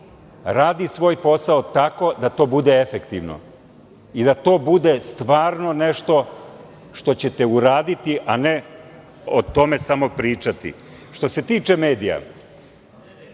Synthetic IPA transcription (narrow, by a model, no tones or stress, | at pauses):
ɾaːd̪isʋo̞ːjpo̞saot̪ako̞d̪at̪o̞ːbud̪e̞efe̞kt̪iʋno̰ | id̪at̪o̞ːbud̪e̞st̪ʋaːɾno̞ne̞ʃt̪o̞ | ʃt̪o̞t͡ɕe̞t̪e̞uɾaːd̪it̪iʔane | ot̪o̞me̞samo̞pɾiːt͡ʃat̪ḭ | ʃt̪o̞se̞t̪iːt͡ʃe̞me̞ːd̪ija̰